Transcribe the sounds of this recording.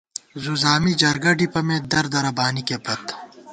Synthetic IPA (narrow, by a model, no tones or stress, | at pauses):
zuzaːmid͡ʒɐɾɡɐɖipɐmẽd̪ɐɾd̪ɐɾɐbaːnikebɐt̪